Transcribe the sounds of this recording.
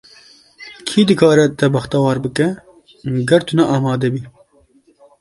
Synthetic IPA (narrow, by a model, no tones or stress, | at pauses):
kʰiːd̪ɨkʰɑːɾɛt̪ɛbɐxt̪ɐwɑːɾbɨkɛ | ɡɐɾt̪ʰunɛʔɑːmɑːd̪ɛbiː